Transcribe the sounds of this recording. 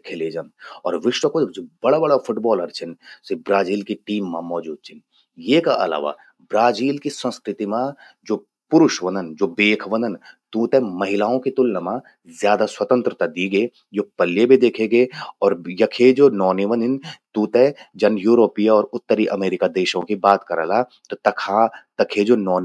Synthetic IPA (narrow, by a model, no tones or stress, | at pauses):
kʰeleːd͡ʒɐnɔ̰ːɾʋɪʃwəkõd͡ʒobɐɽabɐɽafʰʊʈbɔːlɐɾt͡ʃʰɪnsebɾaːziːlkiʈiːmːã̰mɔːd͡ʒuːd̪̚t͡ʃʰɪn | jeːkaʔɐ̰la̰ːʋa̰ | bɾaːziːlkisə̃nskɾɪt̪imã | d͡ʒoː | pʊɾʊʃʋɐnənd͡ʒoːbeːkʰʋɐ̃nd̪ənt̪ũːt̪ɛmɐɦɪlaːõkit̪ʊlnɐmã | zjaːd̪aswɐt̪ə̃nt̪ɾət̪ad̪iːɡeː | d͡ʒoːpɐljebʱid̪eːkʰeɡeːɔːɾjɐkʰed͡ʒoːnɔːniʋə̃nɪnt̪ũːt̪ɛd͡ʒɐnjuːɾoːpijaɔːɾʊt̪ːəɾiʔɐmeːɾɪkad̪eːʃõkibaːt̪kɐɾəla | t̪ot̪ɐkʰat̪ɐkʰed͡ʒoːnɔːn